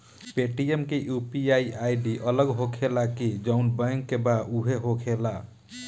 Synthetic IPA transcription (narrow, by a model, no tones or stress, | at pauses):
peʈiemkejupiaiajɖiʔələɡɦokʰelakid͡ʒaʊnbaŋkːebauɦeɦokʰela